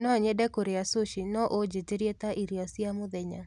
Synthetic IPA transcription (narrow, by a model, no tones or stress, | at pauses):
nɔɲɛdɛkoɾeasoʃinɔʔod͡ʒeteɾjet̪aʔiɾjɔsjamʊd̪ɛɲa̰